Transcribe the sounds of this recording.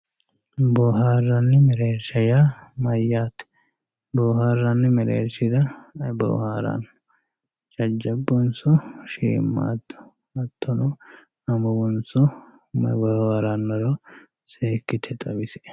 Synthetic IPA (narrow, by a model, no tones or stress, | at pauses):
bɔːɦaːrːɐnːɪmɛɾeːɾʃɐjamɐjːaːt̪ɛ̥ | bɔːhaːrːanːɪmɛɾḛːɾʃɪd̪ɐbo̰ːhaːɾa̰n | t͡ʃɐd͡ʒːɐbːɔnsʊʃḭːmːa̰ːt̪ːʊ̥ | ɐt̪ʰːɔnɔ | ɐmɐɡʊnsʊ | bɔhaɾanːɔɾɔ | seːkːɪt̪ʰɛt̪ʼɐbɪsɛ̥